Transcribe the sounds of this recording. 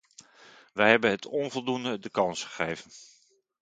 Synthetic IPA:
ʋɛjɦɛbənɦətʰɔnvɔlˠdundədəkɑnsχə̥χejvən

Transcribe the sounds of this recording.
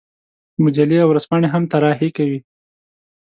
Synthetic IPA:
mʊd͡ʒaliawɾaz̥pɑɳeɦamt̪aɾɑɦekawi

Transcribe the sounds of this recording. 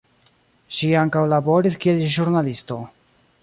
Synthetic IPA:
ʃiaŋkawlabo̞ɾiskielʒuɾnalisto̞

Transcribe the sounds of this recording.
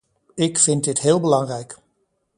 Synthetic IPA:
ɪkfɪntd̚dɪtɦɪːlˠbəlɑŋrɛjk

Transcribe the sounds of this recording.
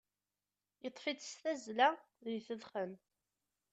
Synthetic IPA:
jət̪ˤːfit͡sst̪æzlæ | ðiθəðχən

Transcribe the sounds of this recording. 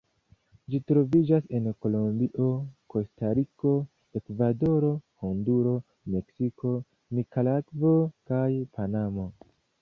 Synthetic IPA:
d͡ʒitɾo̞vid͡ʒase̞nko̞lombiʔo̞ko̞staɾiko̞ | ekvado̞ɾo̞hunduɾo̞ | me̞ksiko̞ | mikʰalakvo̞kajpanamo̞

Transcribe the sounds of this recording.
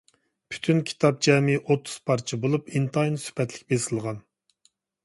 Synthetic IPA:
pʰy̥t̪ʰynkʲʰi̥t̪ʰɑp̚d͡ʒɛːmiʔot̪ʰːu̥z̥pʰɑɾt͡ʃʰibolˠupint̪ʰɑinɨsy̥pɛt̪lɪk̚ʲbesɨlˠʁɑn

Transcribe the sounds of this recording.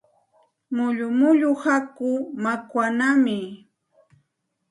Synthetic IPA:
mʊʎʊmʊʎʊhakʊmakwanamɪ

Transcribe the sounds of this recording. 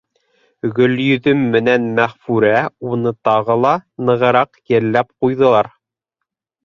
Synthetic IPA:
ɡɵ̆ljɵ̆ðɵmːɘ̆nænmæχfʉɾæunɤt̪ɑʁɤlˠɑnɤ̆ʁɤ̆ɾɑqjɘ̆ɾlːæp̚qujðɤ̆lˠɑɾ

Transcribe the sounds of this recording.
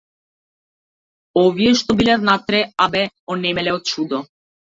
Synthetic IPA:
ɔvijɛʃt̪ɔbilɛvnat̪ɾɛabɛ | ɔnɛmɛlɛɔt̪̚t͡ʃud̪ɔ

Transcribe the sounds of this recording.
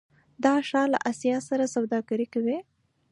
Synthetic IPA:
d̪ɑʃɑla̰ʔasjɑsaɾasawd̪ɑɡaɾikawi

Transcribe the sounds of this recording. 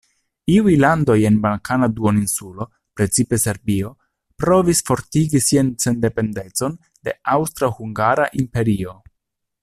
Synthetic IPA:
iujlando̞je̞nbalkʰanaduoninsulo̞ | pɾe̞t͡sipe̞se̞ɾbio̞ | pɾo̞visfo̞ɾtiɡisianse̞nde̞pe̞nde̞t͡so̞n | de̞̰awst̪ɾahuŋɡaɾaʔimpe̞ɾio̞

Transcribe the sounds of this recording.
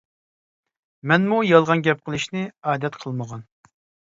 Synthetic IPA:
mɛnmujɑlˠʁɑnɡʲɛp̚qʰəlˠɨʃnɪɑːd̪ɛt̪qʰəlˠməʁɑn

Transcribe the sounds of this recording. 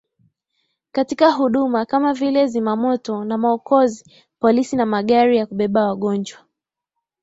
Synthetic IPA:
katikaɦuɗumakamavilɛzimamɔtɔnamaɔkɔzi | pɔlisinamaɠaɾijakuɓɛɓawaɠɔnd͡ʒwa

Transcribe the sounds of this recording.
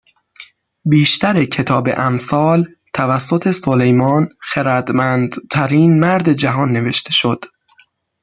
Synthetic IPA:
biːʃt̪ʰæɾecʰe̞t̪ʰɒːbḛʔæmsɒːl | t̪ʰævæsːot̪ʰe̞solejmɒːnxeɾæd̪mænd̪t̪ʰæɾiːnmæɾd̪ed͡ʒæɦɒːnːe̞ve̞ʃt̪ʰe̞ʃo̞d̪̥

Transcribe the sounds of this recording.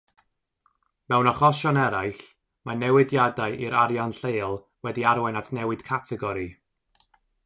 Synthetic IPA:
mɛwnaχɔʃɔnɛɾaɨɬ | manɛwɪdjadaɨʔiɾaɾjanɬeːlˠ | wɛdiaɾwajnatʰnɛwɨd̥kʰatʰɛɡɔɾi

